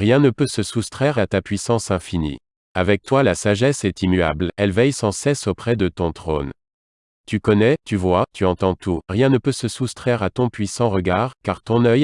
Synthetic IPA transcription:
ʁjɛ̃nəpøsəsust̪χɛʁat̪apɥisɑ̃sɛ̃finḭ | avɛk̚t̪walasaʒɛsɛt̪imyablɛlvɛjsɑ̃sɛsopχɛd̪ət̪ɔ̃t̪χo̰n | t̪ykɔnɛt̪yvwat̪yɑ̃t̪ɑ̃t̪ʰuʁjɛ̃nəpøsəsust̪χɛʁat̪ɔ̃pɥisɑ̃ʁəɡaʁkaʁt̪ɔ̃nœj

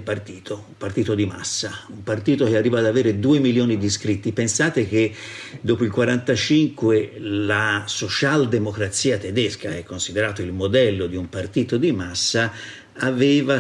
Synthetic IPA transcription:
part̪iːt̪ʰoumpart̪iːt̪od̪ima̰sːaumpart̪iːt̪ok̟earːiːvaːd̪aveːɾed̪uːemiljoːnid̪iskɾit̪ːipensaːt̪ek̟ed̪oːpoilkwaɾant̪at͡ʃiŋkwelasot͡ʃald̪emokɾat̪siːat̪ed̪eskaɛkːonsid̪eɾaːt̪oilmod̪ɛlːod̪iumpart̪iːt̪od̪imasːaː | veːva

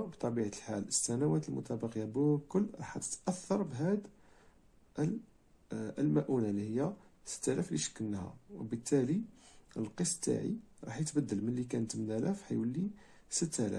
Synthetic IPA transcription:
bt̪ˤɑbiʕalħaləsːænæwæt̪əlmʊ̰t̪ɑbɑqjæbʊkʊlːɾˤɑ̰ħæt̪ə̥t̪ʔæθːɑɾˤbɦæd̪ | lmæʔunælihəjːæsə̥t̪ːælæfliʃə̥kːənːhæ̰wəbət̪ːæliəlqəsˤːt̪ːa̰ʕḭɾˤɑ̰ħjət̪bæd̪ːəlmənlikænət̪mnælæfħæjwəlːi | sət̪ːælæ̰f

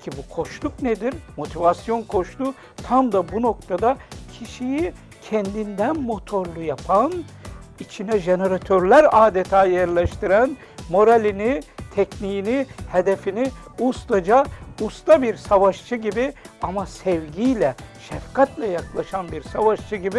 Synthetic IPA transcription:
cʰibukʰo̞ʃlˠukned̪iɾmo̞t̪ʰivasjo̞nkʰo̞ʃlˠu | t̪ʰamd̪abuno̞k̚t̪ʰad̪acʰiʃiji | cʰɛnd̪ind̪ænmo̞t̪ʰo̞ɾlˠujapʰanit͡ʃʰinɛʒeneɾat̪ʰøɾlʲæɾaːd̪et̪ʰaːjæɾlʲɛʃt̪iɾæn | mo̞ɾalʲinit̪ʰɛcnijinihed̪efiniust̪ad͡ʒaust̪abiɾsavaʃt͡ʃʰɯɟibiamasɛvɟijlʲɛʃɛfkʰat̪lʲɛjaklˠaʃanbiɾsavaʃt͡ʃʰɯɟibi

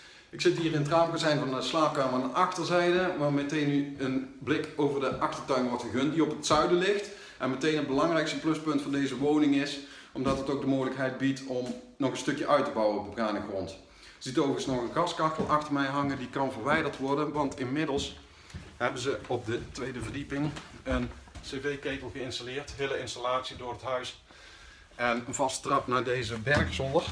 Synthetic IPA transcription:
ɪksɪtɦiːrɪnətraːmkɑnzɛjnvɑnəslaːp̚kaːmənəɑxtəɹzɛjdəʋaːɹmətejnːyənblɪkowvərdəʔɑxtəɹtœɥnʋɔɹtxəɣɵntdiɔpətsœɥdəlɪxt | ʔɛnmətejnɦət̚bəlɑŋrɛjkstəplɵspɵntfɑndejzəʋownɪŋɪs | ɔmdɑtətowk̚dəmoɣələkɦɛjd̚bitɔm | nɔɣənstɵkjəʔœɥtəbɑwəɔb̚dəbraːnəɣrɔnt | z̥itoːɣəsnɔɣənɣɑskɑxtəlˠʔɑxtərmɛjɦɑŋədikɑnvərʋɛjdəɹtʋɔɹdənʋɑntʰɪnmɪdəlˠs | hɛbənzəɔp̚dətʋejdəvərdipɪŋənsevejkejtəlˠɣəɪnstalɪːrtɦɪləɪnstalaːtsidʊːrɦətɦœɥs | ɛnənvɑstə̥trɑpnaːɹdejzəbɛrksɔndə

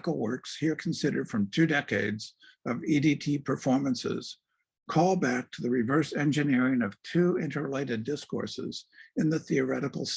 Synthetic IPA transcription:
kl̩ˠwɜ˞kshiɹkʰn̩sɪɾə̰˞d̥fɹʌ̃mtʰʉdɛkeɪdz | ʌviditʰipʰə˞fɔɹmɨ̃nsɪ̰z̥ | kʰɔlˠbæk̚tʰəðɨɹɨvɜ˞sɛ̃nd͡ʒɨnɪɹɪ̃nʌv̥tʰʉɪ̃ntə˞leɪɾɨdɪskɔ̰ɹsɪ̰z̥ɨ̃nðɨθiə˞ɛɾɨkl̩ˠs

